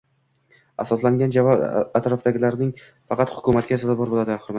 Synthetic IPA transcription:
asɒslaŋɡʲand͡ʒavɒbat̪ɾɒfd̪aɡʲɪlaɾnɪŋ | fɑqɑt̪hʊ̥kʰʊmat̪̚kʲazalbɒɾbolˠad̪ɪhʊɾma

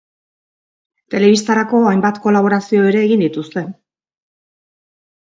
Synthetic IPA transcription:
t̪e̞le̞βist̪aɾako̞ajmbat̪ko̞laβ̞o̞ɾasio̞e̞ɾe̞ːɣind̪it̪ust̪e̞

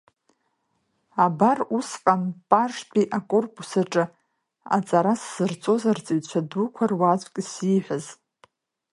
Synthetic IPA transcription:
abarusqʼanpʼarʂpʼiʔakʼo̞rpʼusaʈ͡ʂʼɨ | a̰t͡sʼaɾasz̥ɨrt͡sʼo̞zart͡sʼiɥt͡ɕʷʰadukʷʰarwat͡ɕʷʼkʼsiħʷaz

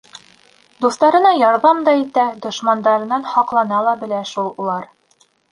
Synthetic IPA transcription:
d̪ust̪ɑɾɤ̆nɑjɒɾðɑmd̪ɑit̪æd̪ŏʃmɑnd̪ɑɾɤ̆nɑnhɒqlˠɑnɑlˠɑbɘ̆læʃulˠulˠɑɾ

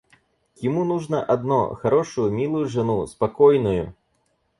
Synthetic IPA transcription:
jimunuʐnɐʔad̪nɔ̰xaɾɔʂujumʲilˠujuʐɨnuspakɔjnujṵ

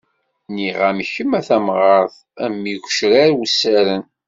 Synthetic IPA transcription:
niʁæmçəmæθæmʁɑɾˤθ | æmːikʷʃɾaɾwsːæɾən

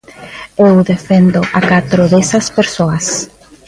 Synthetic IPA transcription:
ewðefend̪ʊʔakat̪ɾoðesɐspeɾsoɐs

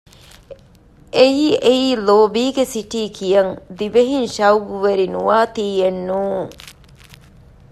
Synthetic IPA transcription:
ʔejiːʔeiːloːbiːɡesiʈiːkʰijɐŋd̪ibeɦinʃɐwɡuʋeɾinuʋaːt̪iːjenːuːŋ

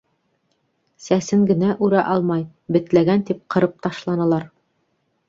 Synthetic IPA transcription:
sæsɘŋɡɘ̆næʔʉɾæʔɑlˠmɑj | bɘ̆t̪læɡænt̪ip̚qɤ̆ɾɤp̚t̪ɑʃlˠɑnɤ̆lˠɑɾ

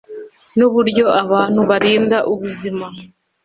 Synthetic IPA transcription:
nuβuɾɟo̞ʔaβaːn̥huβaɾiːndaʔuβuzima

